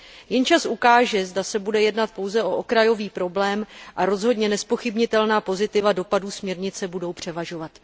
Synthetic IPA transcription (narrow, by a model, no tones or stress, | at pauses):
jɛnt͡ʃasʔukaːʒɛzdasɛbudɛjɛdnat̪̚po̞wzɛʔo̞ʔokɾajo̞viːpɾo̞blɛːmʔaɾo̞zɦo̞dɲɛnɛspo̞xɪbɲɪt̪ɛlnaːpo̞zɪt̪ɪvado̞paduːsmɲɛɾɲɪt͡sɛbudo̞wpr̝̥ɛvaʒo̞vat̪